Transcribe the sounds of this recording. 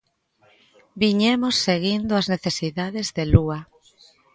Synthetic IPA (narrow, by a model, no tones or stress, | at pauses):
biɲemosːeɣind̪ʊazneθesiðaðezðelua